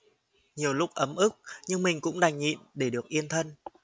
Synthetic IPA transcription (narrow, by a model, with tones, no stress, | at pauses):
ɲi˨˩əwlʊ˦˥k̚ʔə˨˦mʔɨ˦˥k̚ɲɨ˧ŋmï˨˩ŋ̟kʊ̰˧˥ŋ͡mɗa˨˩ŋ̟ɲḭ˧˨nɗe˧˩ɗɨ˨˩ək̚ʔi˧ənt̪ʰə˧n